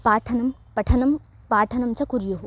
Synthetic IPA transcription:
paːɾʈʰɐnɐm | pɐʈʰɐnɐm | paːɾʈʰɐnɐmt͡ʃʰɐkuɾjoɦo

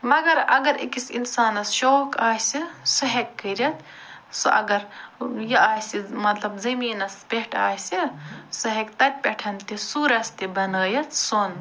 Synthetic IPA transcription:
mɐɡɐɾɐɡɐɾḛkisinsaːnɐsʃoːkaːsisɐɦekːɐɾʲɐt̪ | soʔɐ̰ɡɐɾjɐaːsimɐt̪lɐbzɐmiːnɐspeʈʰa̰ːjsisɨɦekt̪ɐt̪̚ʲpeʈʰɐnt̪isuːɾɐst̪ibɐnɐːjɐt̪son

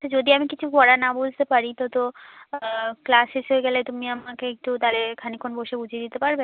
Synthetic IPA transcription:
t̪od͡ʑod̪iamikit͡ɕʰukɔɽanabod͡ʑʱt̪epaɾit̪ot̪o | klaseʃɦoeɡɛlet̪umiamakeek̚ʈut̪alekʰanikʰːonboʃebud͡ʑʱied̪it̪epaɾbe

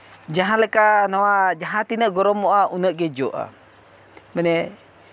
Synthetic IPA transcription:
d͡ʒaɦaləkanawad͡ʒaɦat̪inəʔɡɔɾɔmoʔaunəʔɡed͡ʒoʔa̰ | məne

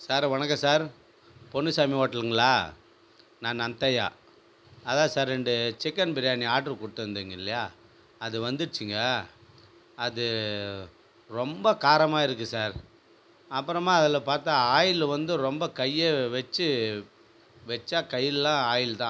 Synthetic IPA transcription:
saːɾʋɐnɐkːɐsaːɾ | pɔɳːɯsaːmiʋoːʈːɐlɯŋɡɐɭaː | nãːnɐnt̪ɐja̰ː | ɐðãːsaːɾɛɳɖɯt͡ʃɪkːɐnbɪɾɪjaːniaːʈɾɯkʊɽɯʈ̪ːɯɯnd̪ɯːŋɡɐɪlːɐjaː | ɐðɯʋɐnd̪ɯɯt͡ʃːɯŋɡɐ | ðɯ | ɾɔmbɐkaːɾɐmaːɪɾɯkːɯsaːɾ | ɐpːɯɾɐmaːɐðɐlɐpaːɾt̪aːaːjɪlʋɐnd̪ɯɾɔmbɐkɐjːeʋɛt͡ʃːɯ | ʋɛt͡ʃːaːkɐjːɪllãːaːjɪlt̪ãː

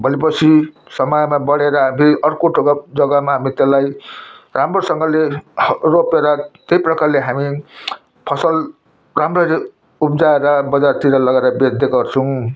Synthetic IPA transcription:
bʱʌlipʌt͡sʰi | sʌmʌjmabʌɽeɾʌɦamiʌrkoʈʰoɡʌd͡zʌɡamaɦamit̪elajramrosʌŋɡʌleropeɾʌt̪ejprʌkarleɦami | pʰʌsʌl | ramrʌɾe | upd͡zaeɾʌbʌd͡zart̪iɾʌlʌɡeɾʌbed̪eɡʌrt͡sʰʌw̃

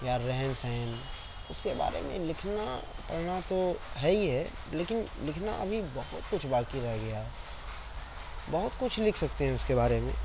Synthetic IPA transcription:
jaɾɛɦɛnsɛɦn | ʊskeba̰ːɾḛmḛ̃lɪkʰnapɐɽnat̪oɦɛiɦɛ | leːkɪnlɪkʰna̰ʔɐ̰bʱibɐɦʊt̪kʊt͡ʃʰbaːkiɾɐɡɐjaɦɛ | bɐɦʊt̪kʊt͡ʃʰlɪkʰsɐk̚t̪eɦɛ̃ʊskebaːɾemḛ̃ː

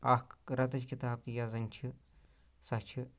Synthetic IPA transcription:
ɐhkɾɐt̪ɐt͡ʃkit̪aːb̚t̪ijazɐnʲt͡ʃʰi | sɐt͡ʃʰi

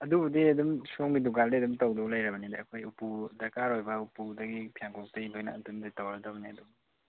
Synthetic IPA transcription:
ɐdubɐdiɐdumsomɡiduɡaldeɐdumtawdɔklajɾɐbɐnida̰ɐkʰojupudɐkaɾojbɐupudɐɡipʰijaŋkʰɔk̚tɐjidojna̰ːtumdatawɾadabniɐdu

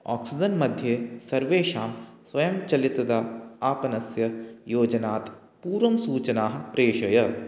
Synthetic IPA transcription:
a̰ːksɪd͡ʒənmɐd̪ʱjesɐɾʋeːʃaːmsʋɐjɐmt͡ʃɐlɪt̪d̪aaːpɐnɐsjɐjoːd͡ʒnaːt̪ | puːɾɐmsuːt͡ʃənaːɦpɾeːʃɐjɐ

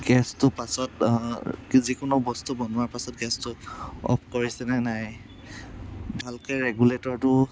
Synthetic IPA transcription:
ɡɛstʊpasɔt | zikʊnʊbɔstubɔnʊaɹpasɔt̚ɡɛstʊɔ̰pʰkoɹisɛnɛnaj | bʱalkɔɹɛɡuletɔɹtʊ

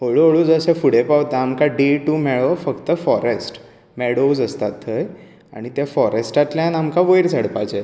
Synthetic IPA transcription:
ɦoɭoɭud͡zəsefuɽepaʋt̪aamkaɖeʈumɛɭɔfəkt̪əfɔɾesʈ | mɛɽod͡zəst̪at̪ːəj | a̰ɽ̃it̪jafɔɾesʈat̪ljãnamkaʋəjɾt͡səɽpat͡ɕe

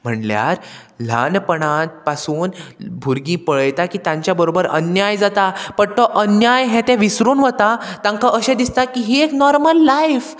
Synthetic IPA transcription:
m̤əɳlja̰ɾ | l̤a̰npəɳ̃ãt̪̚pasuːnbʱuɾɡĩpəɭəjt̪akiːt̪ãɲt͡ɕjabəɾobəɾə̰njajd͡zat̪apəɳt̪ɔʔənjajɦɛ̃t̪ɛ̃ʋisɾuːnʋət̪at̪ãŋkaʔəɕẽd̪ist̪akiɦieknɔɾməlːajf

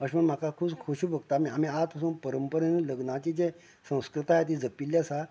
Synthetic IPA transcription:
əɕməɳm̤akakʰuːbkʰoɕubʱəɡ̚t̪amiam̤iat̪pʰəsuːnpəɾəmpəɾeniləɡnãt͡ɕid͡ʑe | sə̃w̃skɾɨt̪aɦet̪̬id͡zəpiljasa

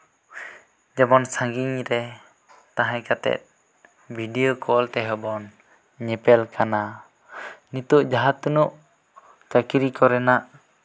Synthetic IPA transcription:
d͡ʒamɔnsaɡiɲɾɛ | t̪aɦãkat̪ɛ̰t̪̚ | bʱidiokʰɔlt̪ɛɦɔbɔn | ɲɛpɛlkʰana | nit̪uʔd͡ʒaɦat̪ːunuʔ | t͡ʃakiɾikɔɾɛnaʔ

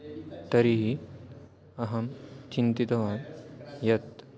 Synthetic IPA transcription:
t̪ɐɾiɦi | ɐɦɐmt͡ɕint̪it̪ɐʋanjɐt̪

